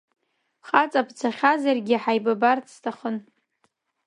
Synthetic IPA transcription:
χat͡sʼapʰt͡sʰaχʲazarɡʲiħajbabartʰstʰaχən

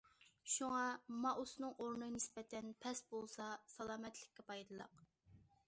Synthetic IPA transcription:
ʃuŋɑmɑʔusnɨŋʔoɾnɨnɪspɛt̪ʰɛnpʰɛsbolˠsɑsɑlˠɑːmɛt̪ʰlɪkʲːɛpʰɑjd̪ɨlˠɑ̰q

